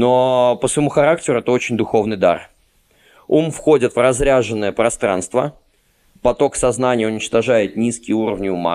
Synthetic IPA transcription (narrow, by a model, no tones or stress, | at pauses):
no̞pəsvɪmuxɐɾak̚tʲɪɾʊɛt̪əo̞t͡ɕɪnʲd̪ʊxo̞vnɨjd̪a̰r | umfxo̞dʲɪt̪vrɐzɾʲaʐɨnːəjəpɾɐst̪ɾa̰nst̪və | pɐt̪o̞ksɐznanʲɪjəʊnʲɪt͡ɕt̪ɐʐajɪt̪̚nʲiskʲɪjəuɾəvnʲɪʊma̰